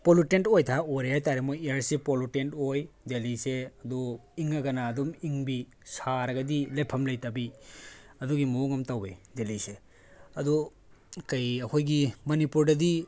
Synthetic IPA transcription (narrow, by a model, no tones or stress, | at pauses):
polutentojtʰaoɾehajtaɾemojejɐɾsepolutentojdeliseɐduiŋɐɡɐnaːdumiŋbi | saɾɐɡɐdilepʰɐmlɐjtɐbi | ɐduɡimɐoŋɐmtawedelise | ɐdu | kɐjɐkʰojɡimɐnipuɾdɐdi